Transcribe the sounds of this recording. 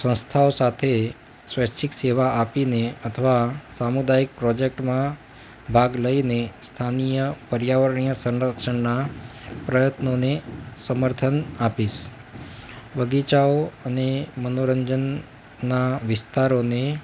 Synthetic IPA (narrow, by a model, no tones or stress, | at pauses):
sə̃nst̪ʰaosat̪ʰe | sʋəst͡ʃʰikseʋaʔapineət̪ʰəʋasamud̪aik̚pɾɔd͡ʒek̚ʈmã | bʱaɡləinest̪ʰanijəpəɾjaʋəɾɳijəsə̃nɾəkʃəɳnapɾəjət̪nonesəməɾt̪ʰənapiʃ | bəɡit͡ʃaoənemənoɾəɲd͡ʒənː | aʋɪst̪aɾone